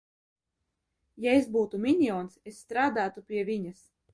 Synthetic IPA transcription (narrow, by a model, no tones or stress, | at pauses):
jaesbuːt̪umʲiɲʲiɔːnsesːt̪ɾaːd̪aːt̪upʲiɛvʲiɲas